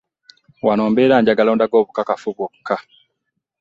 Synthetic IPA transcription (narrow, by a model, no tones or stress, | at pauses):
wanoːmbeːɾaːɲɟaɡaloːndaɡo̞ːβukakafuβwokʰːa